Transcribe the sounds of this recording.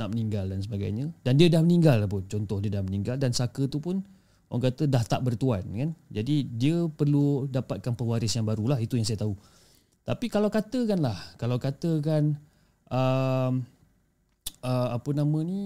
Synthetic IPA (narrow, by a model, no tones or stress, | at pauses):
naʔməniŋɡaldans̬əbaɡa̰jɲə̃dandiədahmənĩŋɡalapʊnt͡ʃɔnt̪ɔhdiədahməniŋɡaldansakət̪upʊn | oaŋkat̪ədaht̪aʔbərt̪uankand͡ʒadidiəpərludapat̪̚kanpəwaɾɪsjaŋbaɾulaɦit̪ujaŋsajat̪aɦu | t̪apikalawkat̪əkanlahkalawkat̪əkan | ʔəm | ʔəapənamə̃ni